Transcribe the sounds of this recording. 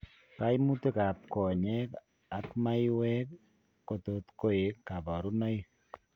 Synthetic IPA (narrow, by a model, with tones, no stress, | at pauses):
ka˦i˦mu˦te˦ka˨p̚ko˨ɲɛ˦k | a˨˦kma˦i˦wɛ˦k | kːo˨to˨t̪ko˦e˨kːa˨bɔ˨ɾu˦nɔ˦i˦